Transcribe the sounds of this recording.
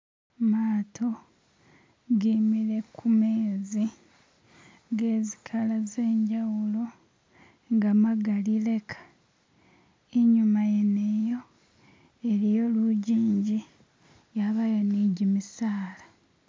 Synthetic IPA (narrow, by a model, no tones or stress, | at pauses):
maːtʰo̞ | ɡimiɾe̞kʰume̞ːzi | ŋɡeːzikʰalaze̞ːɲɟawulo̞ | ŋɡamaɡalile̞kʰḁ | iɲumajenejo̞ | eɾijo̞luɟiːɲɟi | jaβajoniːɟimisaːla